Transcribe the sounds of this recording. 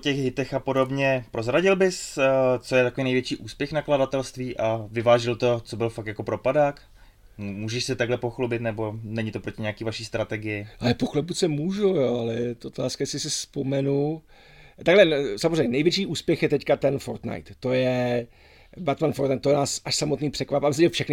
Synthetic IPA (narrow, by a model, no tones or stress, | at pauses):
ocɛɣɦɪt̪ɛxapodobɲɛpɾozɾaɟɪlbɪst͡sojɛt̪ako̞viːnɛjvjɛt͡ʃiːʔuːspjɛxnakladat̪ɛlst̪viːʔavɪvaːʒɪlt̪o̞t͡sobɪlfak̚tjako̞pɾopadaːk | muːʒɛʃsɛt̪aɡlɛpoxlubɪt̪nɛbo̞nɛɲɪt̪opɾocɪɲɛakiːvaʃiːst̪ɾat̪ɛɡɪjɪʔalɛpoxlubusɛmuːʒujoːalɛt̪ʔot̪aːskajɛsɪsɪspo̞mɛnu | t̪aɡlɛsamozrejɲɛnɛjvjɛt͡ʃiːʔuːspjɛxjɛt̪ɛckat̪ɛnfoɾt̪na̰jt̪ːo̞jɛ | bat̪manfoɾt̪najt̪ːojɛnaːsʔaʃsamo̞t̪niːpr̥ɛkvapabɪst̪oɛfʃɛxnɪ